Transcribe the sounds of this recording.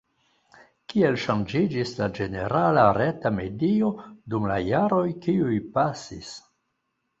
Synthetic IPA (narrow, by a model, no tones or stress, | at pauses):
kie̞lʃand͡ʒid͡ʒislad͡ʒe̞ne̞ɾalaɾetame̞dio̞dumla̰jaɾo̞jkiujpasis